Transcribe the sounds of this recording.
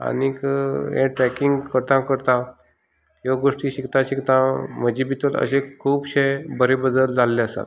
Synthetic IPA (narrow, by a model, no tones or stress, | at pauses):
a̰nikɦḛ̃ʈɾɛkiŋɡkəɾt̪ãkəɾt̪ã | joɡoʂʈiɕikt̪ãɕikt̪ãməd͡ʑibit̪ələ̰ɕekʰuːbɕejbəɾebəd̪əld͡zʱalːeəsa̰t̪